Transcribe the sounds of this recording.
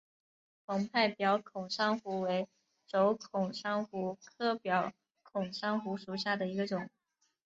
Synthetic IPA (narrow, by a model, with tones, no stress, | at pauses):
pʰʊ˧˥ŋpʰa˥˩ɪpjɑ˧˥ʊkʰʊ˨˩ŋʂɑ˥ŋxu˧˥we˧˥ɪ | ʈ͡ʂo˧˥ʊkʰʊ˨˩ŋʂɑ˥ŋxu˧˥kʰɤ˥pjɑ˧˥ʊ | kʰʊ˨˩ŋʂɑ˥ŋxu˧˥ʂu˨˩ɕja˥˩d̪ə˩i˧˥ɡə˧ʈ͡ʂʊ˨˩˦ŋ